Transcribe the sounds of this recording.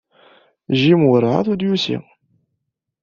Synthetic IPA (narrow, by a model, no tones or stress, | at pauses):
ʒimʊɾˤʕa̰θud̪jusḭ